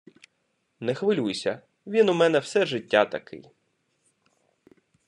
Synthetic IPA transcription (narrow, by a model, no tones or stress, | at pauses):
nɛxʋɪlʲujsʲɐ | ʋʲinʊmɛnɛwsɛʒɪtʲːat̪ɐkʰɪ̰j